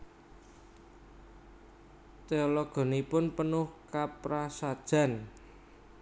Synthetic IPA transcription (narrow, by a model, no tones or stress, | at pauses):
t̪eɔlɔɡ̥ɔ̤nipʊnpənʊhkapɾasad̥ʒ̥ä̤n